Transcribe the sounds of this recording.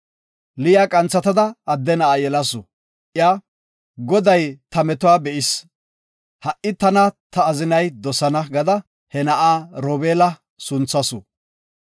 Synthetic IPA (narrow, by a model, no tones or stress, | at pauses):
lɪjaːkʼɐnt͡sːɐt̪ɐd̪ɐːd̪ːɛnɐʔaːjɛlɐsʊ | ʔɪjaː | ɡɔd̪ɐjt̪ɐmɛt̪ʊwaːbɛʔɪs | hɐʔːɪt̪ɐnɐt̪ɐːzɪnɐjd̪ɔsɐnɐɡɐd̪ɐ | hɛnɐʔaːɾoːbeːlɐ | sʊnt͡sːɐsʊ